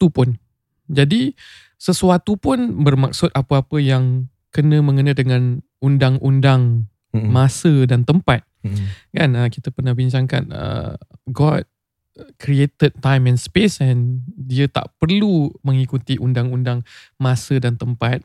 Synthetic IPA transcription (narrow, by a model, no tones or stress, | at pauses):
t̪upʊn | d͡ʒadi | səsuat̪upʊnbərmak̚sʊt̪̚apəapəjaŋ | kənə̃mə̃ŋənə̃dəŋãn | undaŋʔundaŋ | mãsədant̪əmpat̪̚kanəkit̪əpərnahbiɲt͡ʃaŋka̰n̚ə̰ɡɔt̪̚ | kɾiet̪əd̪̚t̪ajmɛ̃nspesɛndiət̪a̰ʔpərlumə̃ŋikut̪iʔundaŋundaŋ | mãsədant̪əmpat̪̚